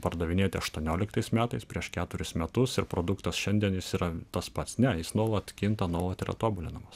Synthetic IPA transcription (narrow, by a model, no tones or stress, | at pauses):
pɐɾd̪ɐʋʲɪnʲeːt̪ʲɪɐʃt̪uɔnʲoːlʲɪkt̪ɐɪsmʲæːt̪ɐɪspʲɾʲiɛʃkʲæːt̪ʊɾʲʊsmʲɛt̪ʊsɪɾpɾoːd̪ʊkt̪ɐsʃʲɛnʲd̪ʲiɛnjɪsiːɾɐt̪ɐspɐt̪snʲɛjɪsnuɔlˠɐt̪kʲɪnt̪ɐnuɔlˠɐt̪ɪɾɐ̰t̪oːbʊlʲɪnɐmɐs